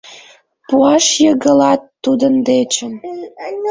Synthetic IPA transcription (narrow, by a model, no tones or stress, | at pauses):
puɑʃjəɣəlɑt̪ːud̪ənd̪et͡ɕən